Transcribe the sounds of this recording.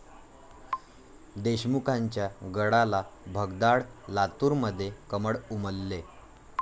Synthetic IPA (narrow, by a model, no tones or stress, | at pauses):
d̪eɕmukʰaɲt͡ɕjaɡəɽalabʱəɡd̪aɽlat̪uɾməd̪ʱːjekəməɽuməlːe